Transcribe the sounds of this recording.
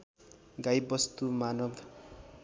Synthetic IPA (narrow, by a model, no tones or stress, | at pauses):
ɡajbʌst̪umanʌbʱ